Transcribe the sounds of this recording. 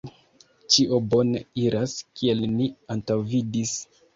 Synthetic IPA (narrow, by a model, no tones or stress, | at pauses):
t͡ʃiʔobo̞neiɾaskʰie̞lniantawvidis